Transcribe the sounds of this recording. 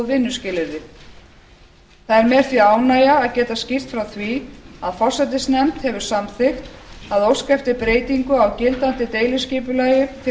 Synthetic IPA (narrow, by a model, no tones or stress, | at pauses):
vɪnːʏscɪlːɪɾðɪ | θaðɛɾmɛːɾ̥θviaːwnaːjaːðcɛːt̪ascir̥t̪fɾawθviaðfɔr̥sɛt̪ɪsnɛmt̪hɛvʏ̥samθɪxt̪ | aðowskɛft̪ɪpɾeːjt̪iŋkʏawcɪlt̪ant̪ɪt̪eːjlʏscɪːpʏlaːjɪt̪ʰɪ